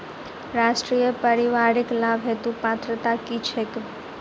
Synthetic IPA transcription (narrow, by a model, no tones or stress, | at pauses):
ɾasʈɾijəpəɾiʋaɾiklabɦet̪ũpat̪ɾət̪akit͡ʃʰek